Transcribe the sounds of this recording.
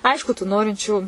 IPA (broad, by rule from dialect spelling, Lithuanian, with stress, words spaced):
ˈɐɪʃkʊ tuː ˈnoːrʲɪnʲt͡ʃʲuː